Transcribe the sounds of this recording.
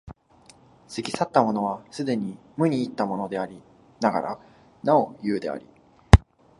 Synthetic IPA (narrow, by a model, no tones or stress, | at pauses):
seɡʲisat̪ːamo̞no̞β̞asɨd̪e̞ɲ̟i | mɯ̟ɲ̟iːt̪ːamo̞no̞d̪e̞aɾʲi | naɡa̰ɾa̰ | nao̞jɯ̟ːd̪e̞a̰ɾʲḭ